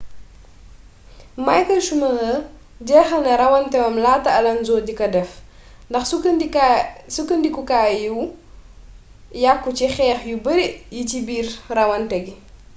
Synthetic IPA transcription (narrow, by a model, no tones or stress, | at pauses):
mɐjkɐʃumɐɡɐ | ɟɛːxɐlnɐɾɐwɐntɛwɐmlaːtːɐɐlɐnzɔːdikɐdɛf | ndɐxs | sukəndikukaːjuw | jakːut͡ʃixɛːxjubəɾijicibiːrrɐwɐntɛɡi